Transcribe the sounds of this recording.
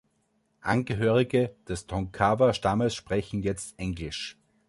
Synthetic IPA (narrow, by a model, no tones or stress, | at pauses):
ʔa̰nɡəɦøːʁɪɡəd̥ɛstʰɔ̃ŋkʰavɐʃtaməsʃpʁ̥ɛçn̩jɛt͡stʔɛŋɡlɪʃ